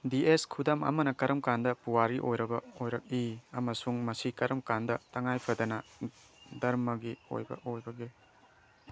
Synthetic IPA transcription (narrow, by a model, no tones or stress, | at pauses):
dieskʰudamɐ̰mɐnɐkɐɾɐmkandɐpuwaɾiʔojɾɐbɐojɾɐk̚iɐmɐsuŋmɐsikɐɾɐmkandɐtɐŋajpʰɐdɐnɐ | dɐɾmɐɡio̰jbɐ̰ʔojbɐɡe